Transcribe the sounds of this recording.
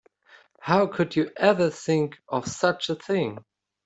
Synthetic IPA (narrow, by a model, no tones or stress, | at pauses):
haʊkʰɨd͡ʒɨʔɛvə˞θɪ̃ŋkʌv̥sʌt͡ʃəθɪ̃ŋ